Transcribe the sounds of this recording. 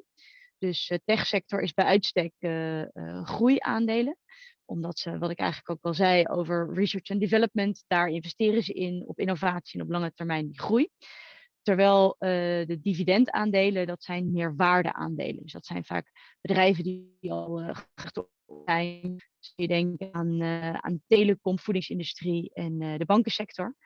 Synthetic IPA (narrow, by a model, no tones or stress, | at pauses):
d̥ɵstɛχsɛk̚tɔɹɪ̰zbɛjœɥtstɛkə | χruja̰ːndejlə | ʔɔmdɑtsəʋɑtɪkɛ̰jχənləkowkɛlˠzɛjo̰wvəɹɹisəːɹt͡ʃɛndɪvɛləp̚məntd̥aːɹɪnvɛstɪːrəzəʔɪnɔ̰pɪnovaːtsiɛnɔplɑŋətɛɹmɛjndiχruj | tɛɹʋɛjlˠədədividɛnta̰ːndejlədɑtsɛjnmɪːɹʋaːɹdə̰ʔa̰ːndḛjlə̰ndsd̥ɑtsɛjnva̰ːk | b̥ədrɛjvədi | ɑlˠχɛt | ɛjn | sjədɛŋkaːna̰ːndətejləkɔmfudɪŋsɪndystriɛndəbɑŋkəsɛk̚tɔɹ